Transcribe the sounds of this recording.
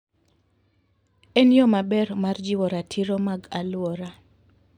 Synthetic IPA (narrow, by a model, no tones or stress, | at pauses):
ɛnjɔmabɛrmard͡ʒiwɔɾatʰiɾɔmaɡalwɔɾa